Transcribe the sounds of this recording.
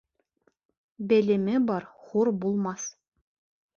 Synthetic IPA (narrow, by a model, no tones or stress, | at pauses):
bælɘ̆mɘbɑɾχuɾbulˠmɑs